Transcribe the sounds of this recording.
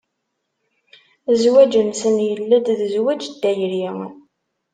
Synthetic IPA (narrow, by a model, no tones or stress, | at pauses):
zwæd͡ʒənsənjəlːæd̪ðəzwæd͡ʒd̪ːæjəɾji